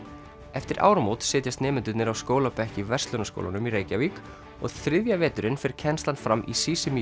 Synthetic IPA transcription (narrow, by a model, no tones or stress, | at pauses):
ɛft̪ɪɾʔa̰ːwɾamowt̪sɪːt̪jast̪nɛːmɪnt̪ʏt̪nɪɾawskoːwlapɛhcɪvɛrst̪lœnasko̰wla̰nʏmireːjcavik | ɔ̰ɣθɾɪðjavɛːt̪ʏɾɪnfɪɾ̥cʰɛnst̪anfɾamʔḭsiːsɪmi